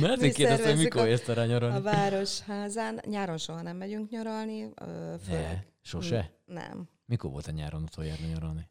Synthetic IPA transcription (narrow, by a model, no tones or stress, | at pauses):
mɛɛzeːkkeːrd̪ɛst̪omikoɾerst̪ɔɾaːɲoɾɔlivaːɾo̞ʃhaːzaːnɲaːɾo̞nʃoɦɒnɛmːɛɟyŋkɲoɾɒlniːføɛ | ʃo̞ʃɛnɛ̰m | mikorvʋolt̪ɛɲa̰ːɾonut̪ʰojɛrniɲoɾɔlni